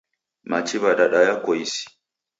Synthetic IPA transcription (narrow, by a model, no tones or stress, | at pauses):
mat͡ʃiβaɗaɗajakɔjisi̥